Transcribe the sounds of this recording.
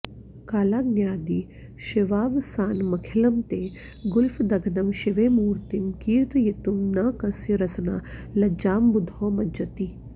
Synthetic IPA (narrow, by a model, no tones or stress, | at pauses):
kaːlaːɡnjaːd̪i | ʃiʋaːʋsaːnmɐkʰilɐmt̪eː | ɡʊlfd̪ɐɡɐnɐmʃiʋeːmuːɾt̪imkiːɾt̪jit̪umnaːkɐsjɾɐsɐna̰ːlɐd͡ʒaːmbud̪ʱoːmɐd͡ʒɐt̪i